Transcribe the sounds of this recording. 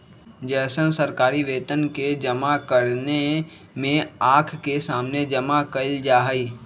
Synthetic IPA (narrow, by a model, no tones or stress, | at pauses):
d͡ʒɛːsənsəɾkaːɾiʋeːt̪ənked͡ʒɐmakəɾne | mẽaːkʰkesaːmned͡ʒəmakəld͡ʒaːɦiː